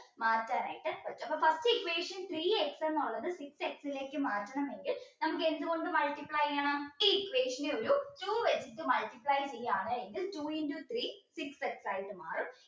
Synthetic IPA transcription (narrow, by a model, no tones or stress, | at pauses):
maːtːaːna̰ːjiʈːɨʋɐt͡ɕːuɐpːɐfɐstɨikʋe̞ːʂɐnt̪riːeksenːuɭːɐðɨsikse̞ksile̞ːkːɨmaːtːɐɳɐme̞ŋɡilnɐmuk̬ːe̞nd̪ɨɣo̞ɳɖɨmɐɭʈipɭaːjaːɳaiːikʋe̞ːʂɐneoɾutuːʋet͡ɕit̪ːɨmɐɭʈipɭaːjt͡ɕejːaːɳɨeŋɡiltuːindut̪ʰriːsikse̞ksaːjiʈːɨma̰ːrum